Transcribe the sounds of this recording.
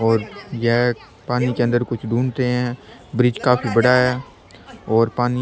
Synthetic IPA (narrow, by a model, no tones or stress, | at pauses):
ɔːɾjɛɦ | paːnikeɐ̃nd̪əɾkʊt͡ʃʰd̪ʱuːnt̪eɦɛ̃ːbɾɪd͡ʒkaːpibɐɽaɦɛː | ɔːɾpaːni